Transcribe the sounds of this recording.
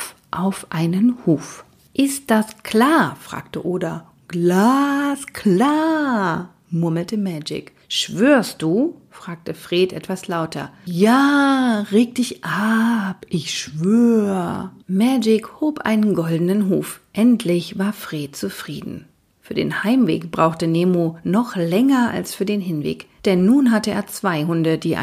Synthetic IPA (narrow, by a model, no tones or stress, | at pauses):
ʔaʊfʔaɪnənhuːf | ʔɪst̚d̥askʰl̥aːɐfʁ̥a̰ːktəʔoːdɐ | ɡ̥laːskʰlaː | mʊɐml̩təmɛd͡ʒɪ̰k | ʃv̥øːɐst̚d̥uːfʁ̥aːk̚təfʁ̥eːtʔɛ̰tv̥aslaʊtʰɐ̰jaːʁeːk̚d̥ɪçʔapʔɪçʃv̥øːəmɛd͡ʒɪkhoːpʔa̰ɪnənɡɔldənənɦuːfʔɛntʰlɪçv̥aːɐfʁ̥eːt̚t͡sufʁ̥ḭːdn̩ | fyːɐdḛːnhaɪmvḛːkb̥ʁaʊxtəneːmonɔχlɛŋɐʔa̰lsfyːɐdeːnɦɪnvḛːkd̥ɛnːuːnɦatəḛːɐt͡sv̥aɪɦʊndədiːʔa̰